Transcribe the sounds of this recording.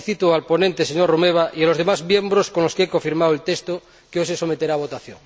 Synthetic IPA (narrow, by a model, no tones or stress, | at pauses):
θit̪oalpo̞nent̪eseɲorumeβ̞aʔialo̞zðemazmje̞mbɾoskonloskeekoɱfiɾmawelt̪est̪o | keoseso̞met̪eɾaːβ̞o̞t̪aθjo̰ŋ